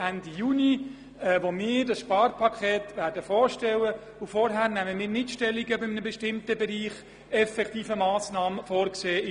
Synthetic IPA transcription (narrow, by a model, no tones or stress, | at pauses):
ændijuni | ɛʋomɪːɾdɑsʃpɑːrpʰɑkʰɛːt̪ʋæɾdəfɔːɾʃtɛlə | ʊfɔɾɦæːɾnæməmɪːɾnɪtʃtɛlːiɡəbɪmənəbɛʃtɪmtəbɛɾiːχ | ɛfɛkχt̪iːfəmɑːsnɑːməfɔːɾkseː